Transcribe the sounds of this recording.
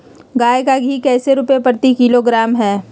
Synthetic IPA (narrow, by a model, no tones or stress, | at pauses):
ɡaːjkaɡʱiːkɛːseɾʊpepəɾt̪ikɪloɡɾaːmɦɛː